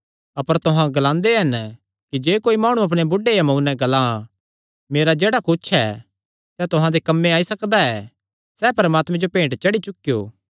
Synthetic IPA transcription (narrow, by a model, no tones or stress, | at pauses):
ɐpəɾt̪ʊɦãɡɐlãːnd̪eɦɐn | kid͡ʒeːkoːimaːɽ̃uɐp̬ɽ̃ebʊɖejamɐ̃unɛ̃ɡɐlã | meːɾad͡ʒeːɽakʊt͡ʃʰɛ̰ | sɛt̪ʊɦãd̪ekɐmːẽaːisɐkd̪aɛ | sɛpɐɾəmaːt̪mɛ̃d͡ʒopẽːɳʈt͡ʃɐɽit͡ʃʊkːijo̰ː